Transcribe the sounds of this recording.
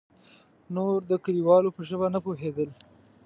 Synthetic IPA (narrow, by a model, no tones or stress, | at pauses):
noɾd̪əkaliwɑlopəʒəβanəpoɦed̪əl